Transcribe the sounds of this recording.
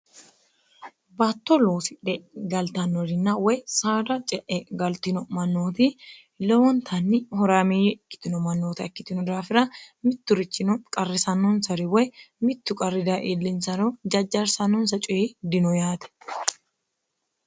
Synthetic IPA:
bat̪ːɔloːsɪᶑɛɡɐlt̪ɐnːɔɾɪnːɐwɔjsaːd̪ɐt͡ʃʼɛʔɛɡɐlt̪ɪnɔmɐnːoːt̪i | lɛwɔnt̪ʰɐnːɪhɔɾaːmeːjɛkːɪ̥t̪ɪnɔmɐnːoːt̪ɪɐkːɪt̪ɪnʊd̪aːfɪɾɐmɪt̪ːʊɾɪt͡ʃːɪnɔkʼɐrːɪsɐnːɔnsɐɾɪwɔjmɪt̪ːʊkʼɐrːɪd̪aʔelːɪnsɐɾɔd͡ʒɐd͡ʒːɐɾsɐnːɔnsɐt͡ʃʼʊjed̪ɪnɔjaːt̪ɛ̥

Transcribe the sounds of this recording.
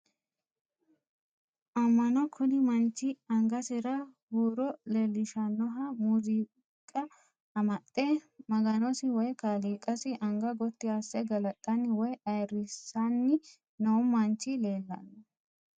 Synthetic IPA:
ʔɐmːɐnɔkʰɔd̪ɪmɐnt͡ʃːɪɐŋɡɐsɪɾɐhuːɾɔleːlːɪʃɐnːɔɦɐmuziː | kʼɐː | mɐt̪ʼːɛmɐɡɐnɔsɪwɔjkaːliːkʼɐsɪʔɐŋɡɐɡɔt̪ːɪasːɛɡɐlɐt̪ʼːɐnːɪwɔjʔɐjrɪsːɐnːɪ | nowmmːɐnt͡ʃːɪleːlːɐ̰nːɐ

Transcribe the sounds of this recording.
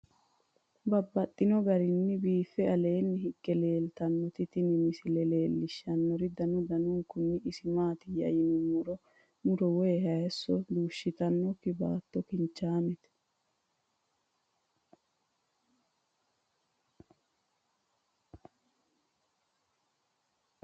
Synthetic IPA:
bɐbːɐt̪ʼːɪnɔɡɐɾɪnːɪbiːfːɛɐle̞ːnːɪɦɪɡːɛle̞ːlt̪ɐnːɔt̪ɪt̪ɪnɪmɪsɪlɛle̞ːlːɪʃːɐnːɔɾɪd̪ɐnɔd̪ɐnʊŋkʊnːɪɪsɪmaːt̪ɪjɐ̰jɪnʊmʊɾɔ | mʊɾɔwɔjɛhɐjɛsːɔd̪uːʃːɪt̪ɐnːɔkɪba̰ːt̪ːɔkɪnt͡ʃːaːmɛt̪ɛ̥

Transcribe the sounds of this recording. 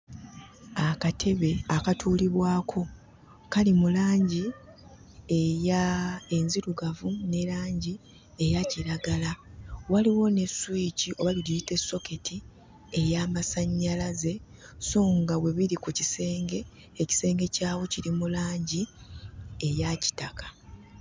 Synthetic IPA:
akatʰe̞βe̞akatʰuːliβwaːkʰo̞ | kalimulaːɲɟi | ejae̞nziɾuɡavune̞ɾaːɲɟi | e̞jaciɾaɡalawaliwo̞ne̞swiciʔo̞βalilijite̞sːo̞ke̞tʰi | e̞jaːmasaɲːalaze̞soːŋɡawe̞βiɾikucise̞ːŋɡe̞ː | ci̥se̞ːŋɡe̞caːwo̞ciɾimulaːɲɟi | e̞jaci̥takḁ

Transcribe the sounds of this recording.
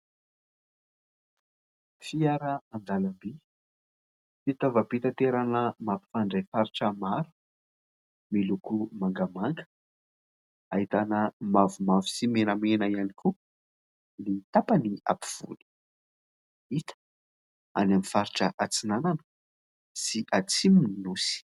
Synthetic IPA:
fiaɾəand̪alambi | fit̪avapit̪at̪eɾanəmapi̥faɳɖ͡ʐajfaɾiʈ͡ʂəmaɾu̥ | milukumaŋɡəmaŋɡə̥ | aɦit̪anəmavumavisimenəmenaianikʰu | nit̪apania̰pi̥v̥ṵli̥ | it̪ʰə̥ | a̰namifaɾiʈ͡ʂəʔat͡sinananə̥ | siʔat͡simininusi̥

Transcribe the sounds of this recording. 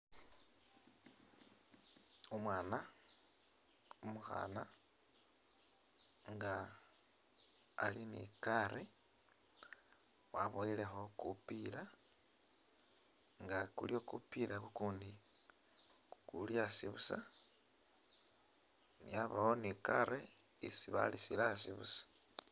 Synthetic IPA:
omwaːna | umuxa̰ːna | ŋɡa | linḭkaɾe | waβoilexo̞kupila | ŋɡakulio̞kupilakukuːndi | kukuljasiβusa | niaβawonikaɾe | isiβa̰lisilasiβṵsḁ

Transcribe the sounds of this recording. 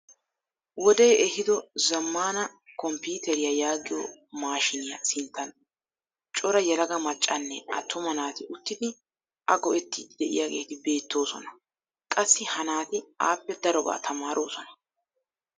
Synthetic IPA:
wɔd̪ejɛhɪd̪ɔzɐmːaːnɐkɔmpiːt̪ɛɾɪjɐjaːɡɪjɔ̰maːʃɪnɪjɐ̰sɪnt̪ːɐn | t͡ʃʼɔɾɐjɛlɐɡɐmɐt͡ʃʼːɐnːɛʔɐ̰t̪ʰːʊmɐnaːt̪ɪʔʊt̪ːɪd̪ɪ | ʔɐɡɔʔɛt̪ːɪd̪̥ɛʔɪ̰jaːɡe̞̰ːt̪ɪbe̞ːt̪ːo̞ːsɔ̰nɐ | kʼɐsːɪhɐnaːt̪ɪa̰ːpːɛd̪ɐɾɔba̰ːt̪ʰɐmaːɾʔo̞ːsɔnɐ̥

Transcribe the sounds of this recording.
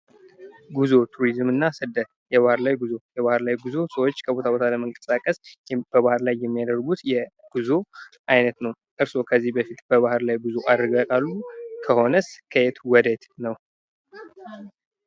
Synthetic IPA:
ɡuzo̞t̪ʰuɾizmɨnːasɨd̪ət̪ | jɛβahɨɾlajɡuzo̞jɛβahɨɾlajɡuzo̞səwot͡ʃːkʰəbo̞t̪ʰaβo̞t̪ʰaləməŋkʼə̥sakʼəsb̥əβahɨɾlajːɛmːijad̪əɾɡut̪jɛɡ̥uzo̞ʔajnət̪nəw | ʔɨɾso̞kʰəzːihbəfit̪b̥əβahɨɾlajɡuzo̞ʔad̪ɾɡakʼalːukʰəho̞nəskʰəet̪wɔd̪et̪nəw

